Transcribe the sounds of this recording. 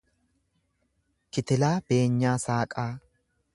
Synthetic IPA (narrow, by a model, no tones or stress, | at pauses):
kɪt̪ɪlaːb̥e̞ːɲːaːsaːkʼaː